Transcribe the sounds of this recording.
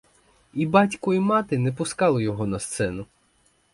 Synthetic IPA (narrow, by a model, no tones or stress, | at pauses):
ibɑtʲkɔimɑt̪ɪnɛpʊskɑlˠɔjɔɦɔnɐst̪sɛnʊ